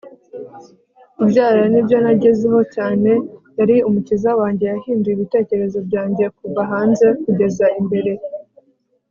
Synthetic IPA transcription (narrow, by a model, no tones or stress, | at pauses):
ibɟaːɾɾanibjo̞naɟe̞zeho̞caːne̞jaɾiumucizawaːɲɟe̞jahiːndujiβite̞ːce̞ɾe̞zo̞bɟaːɲɟe̞kuvaɦaːnze̞kuɟe̞zaimbe̞ɾe̞